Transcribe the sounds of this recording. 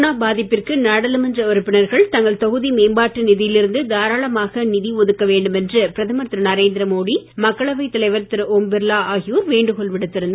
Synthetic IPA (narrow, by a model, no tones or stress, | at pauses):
naːbaːðɪpːɪrkɯnaːɽɐlɯmɛndrɐɔɾɯpːɪnɐɾɣɐɭt̪ɐŋɡɐɭt̪ɔɣɯðimeːmbaːʈːɯnɪðɪjɪlɪɾɯnd̪ɯd̪aːɾaːɭɐmaːɣɐnɪðiɔðɯkːɐʋeːɳɖɯmɛndrɐpɪɾɐðɯmɐt̪ɾɐnɐɾeːnd̪ɾɐmoːðimɐkːɐɭɐʋɐɪt̪ːɐlɐɪʋɐɾt̪ɪɾʔɔːmbɪɾlaːaːɣɪjuːɾʋeːɳɖɯkɔɭʋɪɽɯt̪ːɪɾɯnd̪